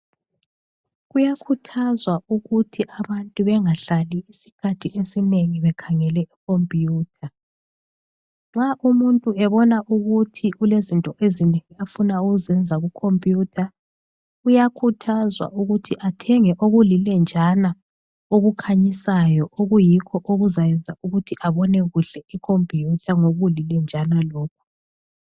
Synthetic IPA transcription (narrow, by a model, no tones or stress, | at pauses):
ɣujakʰutʰazwauɣutʰiʔaβantʼuβɛŋaɬaliːsi̥kʰatʰiʔesineŋiβɛkʰaŋɛlɛʔikʰompʼjuːtʰa | ŋ͡ǁaʔumuntʼuɛβɔnaʔuɣutʰiulezintʼɔʔezineŋiafunauɣuzɛnd͡zʱaɣukʰompʼjuːtʰa | ujakʰutʰazwa̰ʔuɣutʰiʔatʰɛŋɛʔoɣulilɛnd͡ʒʱana | oɣukʰaɲisajɔʔoɣujikʰɔʔoɣuzajɛnd͡zʱaʔuɣutʰiʔaβɔnɛɣuɬɛʔikʰompʼjutʰaŋoɣulilɛnd͡ʒʱanalɔːkʰɔ̥